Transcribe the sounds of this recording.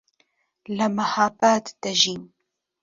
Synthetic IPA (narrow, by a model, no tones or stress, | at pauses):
lɐmɐhaːbaːt̪d̪̥ɐʒiːn